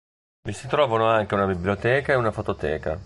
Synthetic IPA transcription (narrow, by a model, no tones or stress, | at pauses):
visit̪ɾɔːvanoaŋk̟eunabibljot̪ɛːkaeunafot̪ot̪ɛ̰ːka̰